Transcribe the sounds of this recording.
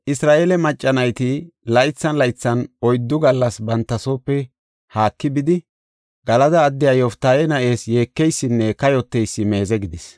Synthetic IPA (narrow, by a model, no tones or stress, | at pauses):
ʔɪsɾaːʔe̞ːlɛmɐt͡ʃʼːɐnɐjt̪ɪlɐjt͡sːɐnlɐjt͡sːɐnɔjd̪ːʊɡɐlːɐsbɐnt̪ːɐsoːpːɛ | haːkːɪbɪd̪ɪ | ɡ̥ɐlɐd̪ɐːd̪ːɪjaːjɔft̪ːaːjɛnɐʔe̞ːsje̞ːkːɛjsːɪnːɛkɐjɔt̪ːɛjsːɪme̞ːzɛɡɪd̪ɪs